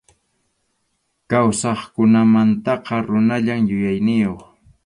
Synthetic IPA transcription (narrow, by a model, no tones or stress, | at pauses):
kawsɑχkʊnamant̪ɑqɑɾʊnaʎamjʊjajnɪjoχ